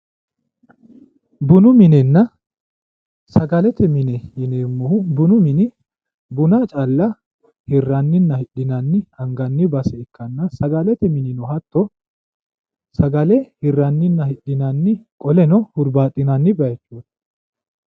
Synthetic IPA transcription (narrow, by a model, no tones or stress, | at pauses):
bʊnʊmɪnɛnːɐ | sɐɡɐlɛt̪ɛmɪnɛɪneːmːɔbʊnʊmɪnɪ | bʊnaːt͡ʃʼɐlːɐ | hɪrːɐnːɪnːɐhɪɗːɪnɐnːɪɐŋɡɐnːɪbɐsɛɪkːɐnːɐsɐɡɐlɛt̪ɛmɪnɪnɔhɐt̪ːɔ | sɐɡɐlɛhɪrːɐnːɪnːɐhɪɗɪnɐnːɪkʼɔlɛnɔhʊɾbaːt̪ʼːɪnɐnːɪbɐjɛt͡ʃːuːt̪